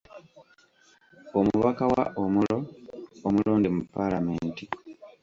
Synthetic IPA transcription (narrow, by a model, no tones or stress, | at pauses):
omuβakawa̰ʔomuloomuloːndimupːalameːnti